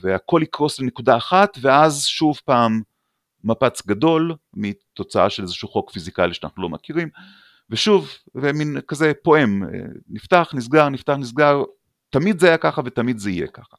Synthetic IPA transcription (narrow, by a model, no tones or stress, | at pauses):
veako̞likʁo̞slene̞kudaːχat̪veazʃuvpaːmː | apat͡sɡado̞l | mit̪o̞t͡saʔa̰ʃelezeʃuχo̞kfizikaliʃeana̰χnulo̞makiʁim | veʃuveminkazepo̞ʔe̞mḛniftaχnis̬ɡaʁnift̪aχnis̬ɡaʁ | t̪amid̪zeajakaχavet̪amid̪zeije̞̰kaχḁ